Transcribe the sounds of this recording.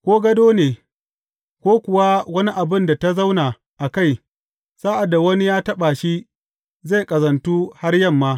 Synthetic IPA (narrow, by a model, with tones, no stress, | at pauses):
kʷoː˦ɡɐ˦doː˦neː˨ | kʷoː˦kʷʊ˨wa˦wɐ˦ni˦ʔa˨bɪ˦nda˨ta˦za˦wnaː˨ | ʔa˨ka˦˨j | saː˦ʔa˨da˨wɐ˦ni˦jaː˦tɐ˦ɓa˨ʃi˦ | ze˦˨jkʼɐ˨zɐ˨ntuː˦ha˦rjɐ˦˨mːa˦